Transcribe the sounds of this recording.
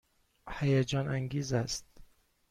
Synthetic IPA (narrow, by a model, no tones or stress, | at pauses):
hæjæd͡ʒɒːnæŋɡiːzæst̪̚